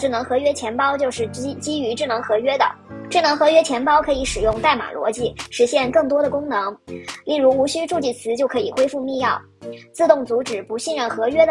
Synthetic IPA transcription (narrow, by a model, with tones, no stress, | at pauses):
ʈ͡ʂɻ̩˥˩nɤ˧˥ŋxɤ˧˥ɥɛ˥t͡ɕʰjɛ˧˥npɑ˥ʊt͡ɕjo˥˧ʊʂɻ̩˥˩˥t͡ɕi˥y˧˥ʈ͡ʂɻ̩˥˩nɤ˧˥ŋxɤ˧˥ɥɛ˥d̪ə̰˨ | ʈ͡ʂɻ̩˥˩nɤ˧˥ŋxɤ˧˥ɥɛ˥t͡ɕʰjɛ˧˥npɑ˥ʊkʰɤ˧˥i˧˥ʂɻ̩˨˩jʊ˥˧ŋt̪a˥˩ɪma̰˨˩lwɔ̰˧˥t͡ɕi˥˩ʂɻ̩˧˥ɕjɛ˥˧nkɤ˥˩ŋt̪wɔ˥ɾə˨kʊ˥ŋnɤ˧˥ŋli˥˩ɻu˧˥u˧˥ɕy˥ʈ͡ʂu˥˧t͡ɕi˥˩t͡sʰɹ̩˧˥t͡ɕjo˥˩ʊkʰɤ˧˥i˨˩xwe˥ɪfu˥˧mi˥˧jɑ˥˩ʊt͡sɹ̩˥˧t̪ʊ˥˩ŋt͡su˧˥ʈ͡ʂɻ̩˨˩pu˧˥ɕi˥˧nɻə˥˩nxɤ˧˥ɥɛ˥d̪ə˨